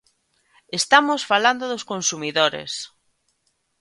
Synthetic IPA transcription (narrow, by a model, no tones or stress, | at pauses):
est̪amosfaland̪oðoskonsumiðoɾḛs